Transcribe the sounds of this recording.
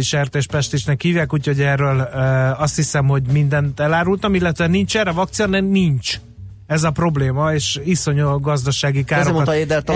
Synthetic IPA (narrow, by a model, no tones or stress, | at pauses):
iʃɛrt̪eːʃpɛʃt̪eːʃnɛkhiːvjaːkuːcʰho̞ɟɛrːøːlɒst̪hisɛmho̞ɟmind̪ɛnt̪ɛlaːɾult̪ɒmilːɛt̪ʋɛnint͡ʃɛɾɛvɒk̚t̪sijonɛnint͡ʃ | ɛzɒpro̞bleːmɒeːʃiso̞ɲoɡɒzd̪ɒʃaːɡikaːɾomoeːd̪ɛlt̪